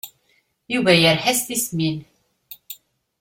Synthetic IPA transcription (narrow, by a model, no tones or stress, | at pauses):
juvæjəɾħæst̪ismin